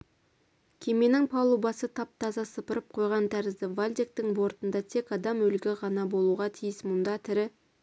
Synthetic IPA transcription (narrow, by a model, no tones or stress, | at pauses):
kʲʰe̞me̞nɪŋpʰɑlˠubɑsət̪ʰɑp̚t̪ʰɑzɑsəpəɾəp̚qʰo̞jʁɑnt̪ʰæɾɪzd̪ɪvalʲd̪ek̚t̪ɪŋbo̞ɾt̪ənd̪ɑt̪ʰe̞kɑd̪ɑmɵlɡʲɪʁɑnɑbo̞lˠuʁɑt̪ʰijɪsmʊnd̪ɑt̪ʰɪɾɪ